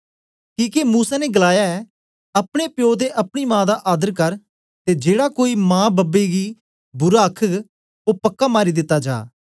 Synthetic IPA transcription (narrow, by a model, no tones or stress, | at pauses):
kiːkemuːsaːneɡəlaːjaɛ | ɐpɽ̃epjoːd̪eʔɐpɽ̃iːmãːd̪aʔaːd̪əɾkɐɾ | t̪ed͡ʒeːɽakoːimãːbɐbeɡiː | bʊɾaːkʰək | opəkːamaːɾid̪ɪt̪ːad͡ʒa̰ː